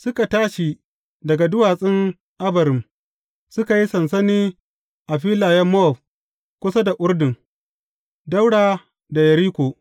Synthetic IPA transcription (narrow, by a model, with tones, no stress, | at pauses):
sʊ˦ka˨taː˦ʃi˨ | dɐ˨ɡa˨dʊ˦waː˨sʼɪ˦ŋ | ʔa˦bɐ˨ɾɪ˨m | sʊ˦ka˨ji˦sɐ˨ns̬ɐ˦niː˦ | ʔa˨ɸiː˦laː˨jɐ˦mːɔ˦ɔ˨ɸ̚ | kʷʊ˦sa˦da˨ʔʷʊ˦rdɪ˨ŋ | da˦wɽaː˨ | da˨jɐ˨ɾiː˦kʷoː˨ʔ